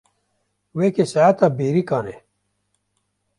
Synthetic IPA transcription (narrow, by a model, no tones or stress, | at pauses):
weːkesaat̪abeːɾikaːnḛ